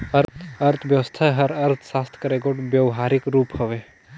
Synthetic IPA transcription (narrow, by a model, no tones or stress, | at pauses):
əɾɐɾt̪ʰʋjɐʋəst̪ʰaɦɐɾɐɾt̪ʰsaːst̪ʰkɐɾeɡoʈbjəʋɦaːɾɪkɾuːpɦoʋe